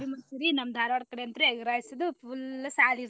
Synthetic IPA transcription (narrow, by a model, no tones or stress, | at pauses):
ɾimɐnsiɾinɐmd̪ʱaːɾʋaɽkɐɽeɐnt̪ɐɾeeɡɐɾaːjisɐd̪upʰulːɐsaːliɾ